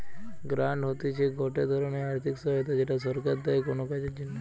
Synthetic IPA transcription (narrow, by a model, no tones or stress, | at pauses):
ɡɾãɳɖɦot̪it͡ʃʰeɡɔʈed̪ʱəɾoniaɾt̪ʰiksət̪ad͡ʒeʈasəɾkat̪̚d̪aekɔnõkat͡ʃed͡ʒinːa